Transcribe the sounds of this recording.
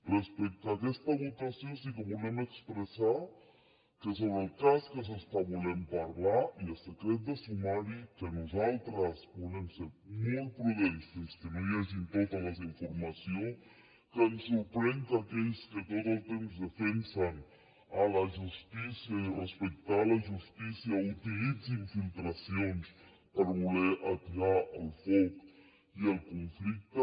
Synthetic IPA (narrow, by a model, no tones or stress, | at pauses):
respek̚t̪akest̪aβot̪asjosikeβolemekspɾesaɾ | kes̬oβɾelkaskes̬est̪aβolempaɾlaɾialsekɾet̪̚d̪esumaɾikenosalt̪ɾasbolemseɾmujpɾuðent̪eskenojes̬int̪oðalas̬iɱfoɾmasjoŋ | kənsːuɾpɾeŋk̪akeʎskət̪ot̪əlˠt̪emzðəfensan | alaʒust̪isjarəspək̚t̪alaʒust̪isiaut̪ilid͡ziɱfilˠt̪ɾasions | pəɾβuleʔat̪iaʔəlˠfɔk | iəlˠkuɱflik̚t̪ə